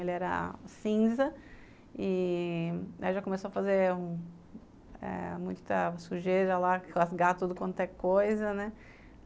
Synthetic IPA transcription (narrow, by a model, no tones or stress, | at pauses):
elɪɛɾɐ̰sĩzɐ | ɪ | aiʒakõmesoɐfazeũ | ɛ̰mũj̃t̪ɐsuʒeɾɐlaklasɡat̪ud̪ʊkwɐ̃k̪ɛkojzɐnɛ